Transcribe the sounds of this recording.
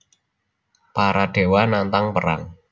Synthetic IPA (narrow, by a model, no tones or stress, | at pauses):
paɾaɖ̥e̤wanant̪aŋpəɾa̰ŋ